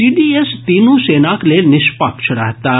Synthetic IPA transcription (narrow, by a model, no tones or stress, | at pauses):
iːɖiest̪iːnũsenaklenɪʃpakt͡ʃʰɐɽaːɦt̪a